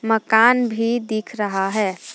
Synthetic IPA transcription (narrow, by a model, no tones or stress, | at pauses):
məkaːnbʱid̪ikʰɾəɦaɦɛː